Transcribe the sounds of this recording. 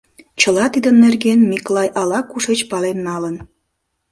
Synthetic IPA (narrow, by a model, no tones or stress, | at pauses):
t͡ɕəlɑt̪id̪ənːerɡenmiklɑjʔɑlɑkuʃet͡ɕpɑlenːɑlən